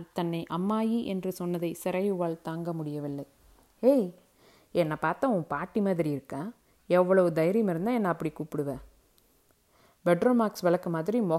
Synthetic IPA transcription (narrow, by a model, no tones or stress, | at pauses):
t̪ɐnːɐɪʔɐmːaːjiʔɛndrɯsɔnːɐðɐɪsɪɾɐjɯʋaːɭt̪aːŋɡɐmʊɽɪjɐʋɪlːɐɪ | eɪ | ɛnːɐpaːɾt̪ãːʊ̃ːpaːʈːimaːðɪɾiɪɾɯkːãː | ɛʋːɐɭɐʋɯd̪ɐjɪɾɪjɐmɪɾɯnd̪ãːɛnːɐːpːɐɽikuːpːɪɽɯʋẽː | bɛɖɾoːmaːksʋɛlɐkːɯmaːðɪɾimɔ